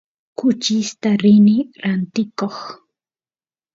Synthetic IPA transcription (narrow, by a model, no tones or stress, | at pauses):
kʊt͡ʃɪst̪aɾɪnɪɾant̪ɪkoχ